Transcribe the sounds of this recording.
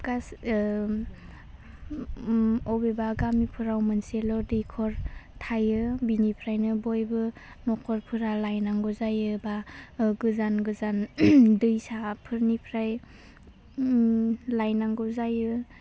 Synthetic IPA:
ɡ̥as | ɔbebaɡamipʰɯɾawmɯnselɔdɯjkʰɔɾtʰajɯbinipʰɾajnɯbɔjbɯ | mɔkʰɔɾpʰɯɾalajnaŋɡɔzajɯbaɡɯzanɡɯzandɯjsapʰɯɾnipʰɾaj | lajnaŋɡɔzajɯ

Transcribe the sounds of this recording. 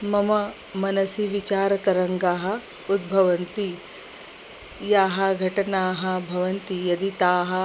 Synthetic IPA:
mɐmɐ | mɐnɐsiʋit͡ʃaːɾɐkɐɾɐŋɡaːɦɐ̆ | ud̪̚bʱɐʋɐnt̪i | jaːɦɐ̆ɡʱɐʈɐnaːɦɐbʱɐʋɐnt̪ijɐd̪it̪aːɦɐ̆

